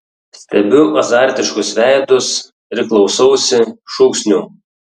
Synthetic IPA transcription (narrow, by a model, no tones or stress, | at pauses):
sʲt̪ʲɛbʲʊʔɐzɑˑɾʲt̪ʲɪʃkʊsʋʲæˑɪd̪ʊs | ɪɾʲklˠɒʊsɐʊsʲɪʃuːksʲnʲu